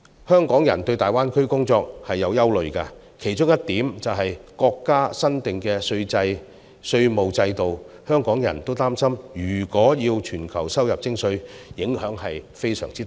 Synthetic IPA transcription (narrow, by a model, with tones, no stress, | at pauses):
hœː˥ŋkɔː˨˥ŋjɐ˨˩nt̪ɵ˧ɥt̪aː˨jwaː˥nkʰɵ˥ɥkʊ˥ŋt͡sɔː˧k̚hɐ˨jːɐ˨˧wjɐ˥wlɵ˨ɥkɐ˧ | kʰe˨˩jt͡ʃʊ˥ŋjɐ˥t̚t̪iː˨˥mt͡sɐ˨wɦɐ˨jkɔː˧kːaː˥sɐ˥nt̪ɪ˨ŋkɛː˧sɵ˧ɥt͡sɐ˧j | sɵ˧ɥmo˨wt͡sɐ˧jt̪o˨w | hœː˥ŋkɔː˨˥ŋjɐ̰˨˩nt̪o˥wt̪aː˥msɐ˥mjyː˨˩kɔː˨˥jiː˧wt͡ʃʰyː˨˩nkʰɐ˨˩wsɐ˥wjɐ˨p̚t͡sɪ˥ŋsɵ˧ɥjɪ˨˥ŋhœː˨˥ŋɦɐ˨jfe˥jsœ̰ː˨˩ŋt͡siː˥